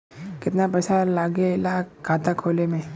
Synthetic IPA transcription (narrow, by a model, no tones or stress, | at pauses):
kɪt̪napɛːsalaːɡelakʰaːt̪akʰoːlemẽ